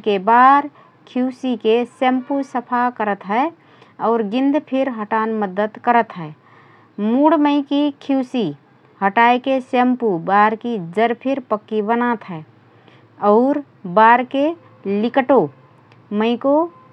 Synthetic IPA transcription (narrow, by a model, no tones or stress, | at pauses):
kebaɾ | kʰuːsikesempusəpʰakəɾət̪ɦɛe | ɔːɾɡɪ̃nd̪pʰɪɾɦəʈanməd̪ət̪kəɾət̪ɦɛe | muɽməɪkikʰuːsi | həʈaekesempubaɾkid͡ʒəɾpʰɪɾpəkːibənat̪ɦɛ | ɔːɾ | baɾke | lɪkʈo | məɪko